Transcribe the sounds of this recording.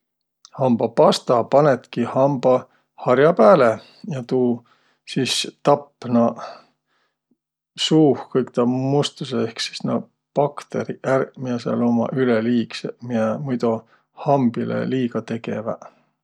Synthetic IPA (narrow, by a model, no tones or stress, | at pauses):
hɑmb̥ɑpɑst̪ɑpɑnet̪kihɑmb̥ɑ | hɑɾjɑpæːle | jɑt̪uː | sist̪ɑpːˑnɑ | suːhkɤjk̚t̪ɑmust̪useehksi̥snɑ | pɑkt̪e̞ɾiʔærmiɑseɑ̰lo̞mɑ̰ʔyleliːksemiɑmujd̪u | hɑmb̥ilḛliːɡɑt̪e̞ke̞̰vɑ̰